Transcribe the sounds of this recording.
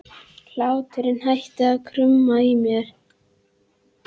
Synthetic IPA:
l̥aːwt̪ʰɪɾɪnhajht̪aːkʰɾʏmːaimjɛɾ̥

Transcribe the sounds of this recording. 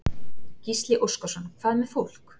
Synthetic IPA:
cist̪lɪʔowskɔsɔnːkʰvaːðmɛ̥fowl̥k

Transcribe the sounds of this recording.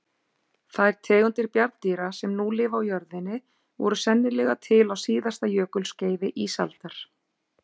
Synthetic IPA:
θaðɛɾ̥t̪ʰɛːɣʏnt̪ɪɾpjaɾðt̪iːɾasɛmnulɪːvawjœɾðɪnːɪ | vɔ̰ɾʏsɛnːɪlɛɣat̪ʰɪlawsiːðast̪ajœːkʏlsceːjvɪʔiːsa̰lt̪aɾ̥

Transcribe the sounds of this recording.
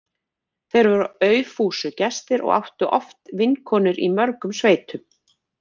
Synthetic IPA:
θejɾvɔɾœːɥfuːsʏcɛst̪ɪɾʔɔ̰ɣa̰wht̪ʏʔɔft̪vɪnkʰɔːnɪɾḭmœɾkʏmsveːjt̪ʰʏm

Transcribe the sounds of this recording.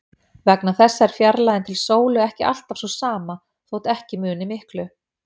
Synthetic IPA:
vɛknaθɛsːaɛɾ̥fjaɾlajðɪnt̪ʰɪlsoːwlʏɛhcɪʔa̰l̥t̪av̥swɔsaːma | θowt̪ɛhcɪmʏːnɪmɪhklʏ

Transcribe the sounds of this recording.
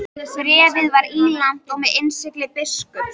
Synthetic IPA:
θɾɛːvɪðvaɾiːlan̥t̪ɔɣmɛðensɪklɪpɪskʏ

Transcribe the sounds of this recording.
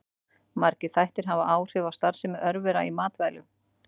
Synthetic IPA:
maɾcɪθajht̪ɪɾ̥ɦavaʔaːwr̥ɪːvawst̪aɾ̥sɪmɛʔœɾvɪɾa̰imaːt̪vɛjlʏ

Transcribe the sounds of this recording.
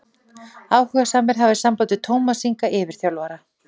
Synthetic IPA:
aːwhœɣasaːmɪɾ̥ɦavɪ̥sampaːwt̪ɪt̪ʰoːwmasiŋkaʔɛːvɪɾ̥θjawlvaːɾa

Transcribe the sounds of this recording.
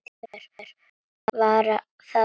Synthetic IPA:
ɛɾɾ̥ | vaːɾa | θa

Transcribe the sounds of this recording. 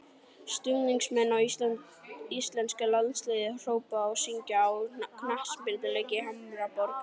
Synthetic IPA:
st̪ʏɣniŋksmɛnːaw | ist̪lɛnskalansleːjðɪr̥oːwpaɔwsiɲcaːwkʰnahspɪlt̪ɪlejcɪhamɾapɔɾk

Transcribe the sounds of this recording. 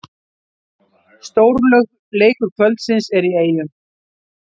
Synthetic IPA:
st̪oːwɾlœɣ | leːjkʏɾ̥kʰvœlt̪sɪnsɛɾieːjʏ

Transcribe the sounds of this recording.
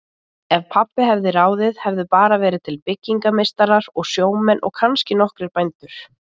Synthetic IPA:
ɛvpʰapːɪɦɛvðɪɾaːwðɪðhɛvðʏpaːɾavɛːɾɪðt̪ʰɪlpɪcːiŋkamejst̪aɾaɾɔɣsjoːwmɛnːʔɔ̰ɣkʰanscɪnɔhkɾɪɾpajnt̪ʏɾ̥

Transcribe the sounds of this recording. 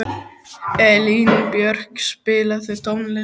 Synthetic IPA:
ɛliːnɪpjœɾ̥kspɪːlaθɪt̪ʰɔwnlɪ

